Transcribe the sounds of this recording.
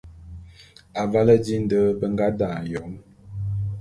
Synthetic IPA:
a˨va˦lə˦di˦n̩˦də˦bə˦ŋɡa˦da˨jɔ˨˦ŋ

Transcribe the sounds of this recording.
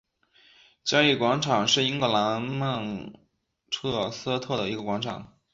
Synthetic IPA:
t͡ɕjɑ˥i˥˩kwɑ˧˥ŋʈ͡ʂʰɑ˨˩ŋʂɻ̩˥˩i˥ŋkɤ˥˩la˧˥nma˥˩˧ŋ | ʈ͡ʂʰɤ˥˧s̩˥t̪ʰɤ˥˩d̪ə˩i˧˥ɡə˧kwɑ˧˥ŋʈ͡ʂʰɑ˨˩˦ŋ

